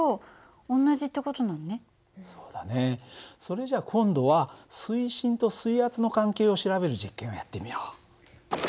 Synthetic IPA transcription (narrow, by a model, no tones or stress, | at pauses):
o | õnːaʑit̪ːeko̞t̪o̞nãnːe̞ | so̞ːd̪̥ane̞so̞ɾe̞ʑakʰõ̞nd̪o̞βasɨiɕĩnt̪o̞sɨihat͡sɨno̞kãŋke̞ːo̞ɕiɾaβe̞ɾɯ̟ʑikːẽ̞ojat̪ːe̞mʲijoː